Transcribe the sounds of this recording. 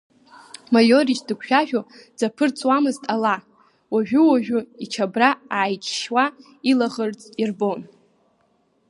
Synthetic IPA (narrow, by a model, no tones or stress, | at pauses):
majoɾiʃdɨkʷʰʃᶣaʒᶣo | d͡zapʰɨrt͡sʼwamɨztʼala | waʒᶣʊwaʒᶣʊit͡ʃʰabraaʕːjt͡ʃʰʼʃwa | ilaʁərt͡sʼirbo̞n